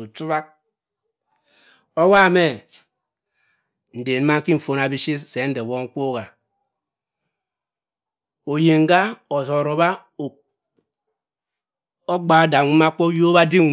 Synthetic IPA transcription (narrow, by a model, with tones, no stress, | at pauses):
u˨t͡su˦βa˦k̚ | o˦wa˦˨me˦ | n̩˨de˨n̩˦ma˦ŋ̩˦ki˦m̩˨fo˨na˨bi˦si˦se˨˦n̩˦de˨wo˦ŋ̩˦kʷo˦ɣa˨ | o˨je˨ŋ̩˦ɡa˦o˨zɔ˨ɾo˨ba˦˨ | o˦ɡ͡ba˨o˦da˨˦ma˦ko˦jo˦ba˦di˦˨